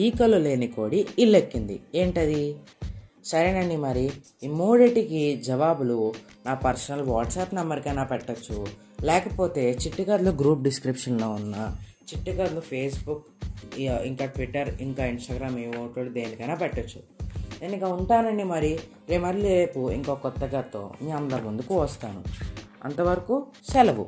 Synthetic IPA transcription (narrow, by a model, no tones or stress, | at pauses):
iːkɐlule̞ːnikoːɽiilːekːind̪ḭe̞ːɳʈɐd̪i | sɐɾenɐɳɖimɐɾi | imuːɖiʈikid͡ʒɛʋaːbulu | naːpɐɾsɐnɐlʋaːʈsaːpnɐmːbɐɾikɐjnaːpɛʈːɐt͡ʃːu | lɛːkɐpo̞ːt̪e̞ːt͡ʃiʈːikaɾloːɡɾuːp̚ɖiskɾipʂɐnloːunːɐ | t͡ʃiʈːikɐd̪loːpʰe̞ːsbuk | iŋkaːʈʋiʈːɐɾiŋkaːinsʈɐɡɾaːmiːʋoːʈoːɽud̪e̞ːnikɐjnaːpɛʈːɐt͡ʃːu̥d̪eːniŋkaːuɳʈaːnɐɳɖimɐɾi | ɾeːmɐɾlieːpuḭŋkokɔt̪ːɐɡaːt̪o̰ːmiɐnlɐmund̪ukuʋɐst̪aːnṵɐ̰nt̪ɐʋɐɾɐkusɛlɐʋṵ